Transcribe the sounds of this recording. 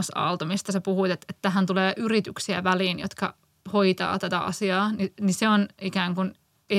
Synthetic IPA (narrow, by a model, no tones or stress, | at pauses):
sɑ̰lt̪ɑmist̪ɑsepuhuit̪et̪et̪ːæɦænt̪uleːʔyrit̪yksiæ̰ʋæliːnjo̰t̪kɑ̰ | hoit̪ɑ̰ːt̪æt̪æʔɑ̰siɑːniniseonikæːŋkun | e